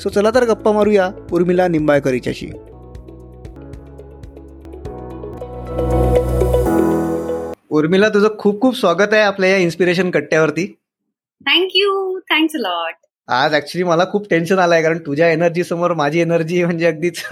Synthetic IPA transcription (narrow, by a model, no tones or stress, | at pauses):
sot͡səlat̪əɾɡəpːamaɾujauɾmilanimbajkəɾajt͡ɕja̰ɕḭː | uɾmilat̪̬ud͡zəkʰuːp̚kʰuːpsʋaɡət̪aeapljajainspiɾeɕ̬ənkəɽʈjaʋəɾt̪iː | t̪ʰæ̃ŋkjuːt̪ʰæ̃ŋksəlɔʈ̚ | a̰d͡zæk̚t͡ɕuliːməlakʰuːp̚ʈenɕənalaekaɾəɳt̪ud͡ʑʱjaenəɾd͡ʑiːsəmoɾmad͡ʑʱiːenəɾd͡ʑiːm̤əɳd͡ʑeəɡ̚d̪iːt͡s